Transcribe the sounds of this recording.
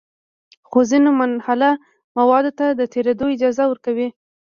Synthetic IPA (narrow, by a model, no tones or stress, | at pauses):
xozinomanhala | mawɑd̪ot̪ad̪ət̪eɾad̪oɪd͡ʒɑzawəɾkawi